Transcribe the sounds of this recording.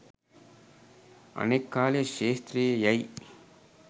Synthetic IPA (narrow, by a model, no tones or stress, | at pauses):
ɐ̰neɪkːaːleʃeːst̪ɾijɐjɐɪ